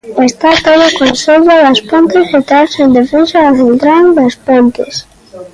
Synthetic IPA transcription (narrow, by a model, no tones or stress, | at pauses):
est̪at̪oðʊkonseʎaðaspont̪ezet̪asend̪efensaazelt̪ɾand̪aspelk̪es